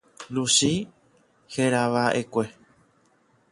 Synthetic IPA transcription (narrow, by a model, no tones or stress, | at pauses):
luʃi | heɾaʋaʔekʷe̞